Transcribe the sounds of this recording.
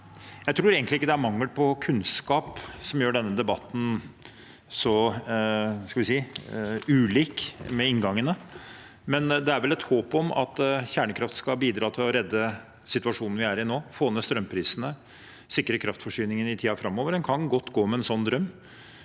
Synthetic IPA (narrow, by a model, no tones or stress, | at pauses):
jæɪt̪ʰɾuːɾeːɡənlɪɪkːəd̪æɾmɑŋːəlpʰɔkʰʉnskɑːpsɔmjøːɖɛnːəd̪ɛbɑt̪ːn̩ | sɔ | skɑlʋɪsiː | ʉːliːkmɛɪnɡɑŋːənə | mɛnd̪ɛæɾʋɛlɛt̪hoːpɔmɑ̰t̪çæːɳəkʰɾɑft̪skɑbiːd̪ɾɑːt̪ʰɪlɔɾɛd̪ːə | sɪt̪ʉɑʂuːnn̩ʋɪæɾɪnoːfoːnːəst̪ɾœmːpʰɾiːsənə | sɪkːɾəkʰɾɑft̪fɔʂyːnɪŋənɪt̪ʰiːɑfɾɑmːoːʋəɖɛnkʰɑnɡɔt̪ːɡoːmɛɛnsɔnːd̪ɾœmː